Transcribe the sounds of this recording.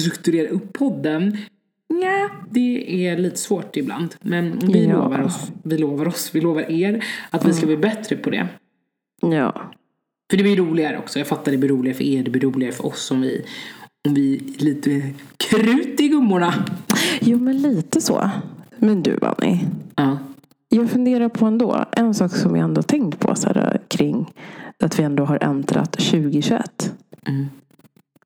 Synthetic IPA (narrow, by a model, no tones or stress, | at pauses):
ɾɵkt̪ɵɾeːɾaʔɵpʰːɔd̪ːən | jaːd̪ɛɛɭiːt̪ə̥svoːʈɪbla̰nd̪mɛnɔvɪlo̰ːva̰ɾɔsvɪloːvaɾɔsvɪloːvaɾʔeːɾat̪vɪskabliːbɛt̪ːɾəpʰɔd̪ɛ̰ | jɑ̰ː | fœɖɛblɪjɾuːlɪɡaɾə̰ɔ̰ksɔjɑːɡfat̪ːaɖɛblɪɾuːlɪɡafœ̰ɾeɪːɖɛblɪɾuːlɪɡaɾəfœɾʔɔ̰sːɔmvɪ̰ɔmvɪliːt̪əkʰɾʉːt̪ɪɡɵmːʊɳa | juːmɛnliːt̪əsɔ̰ːmɪnd̪ʉ̟ːva̰nʔɪ̰ɑː | jɑːɡfɵnd̪eːɾapʰɔɛnd̪o̰ːʔɛnsɑːksɔmvɪ̰aɛnd̪ohat̪ʰɛŋkt̪pʰɔsæ̰ːɾa̰kʰɾɪŋːat̪vɪɛnd̪oːɦaɾʔɛnd̪ɾa̰t̪ɕʉ̟ːɡɪɕʉɛ̰t̪ːm̩